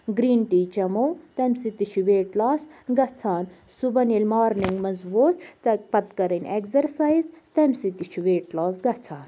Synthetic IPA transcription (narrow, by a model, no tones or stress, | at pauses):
ɡɾiːnʈiːt͡ʃɐmowt̪ɐmsit̪it͡ʃʰuʋeːʈlaːsɡɐt͡sʰaːn | subɐnilmaːɾniŋɡmɐzbuːt̪t̪pɐt̪kɐɾɐnʲekzɐɾsaːjzt̪ɐmsit̪it͡ʃʰuʋeːʈlaːsɡɐt͡sʰaːn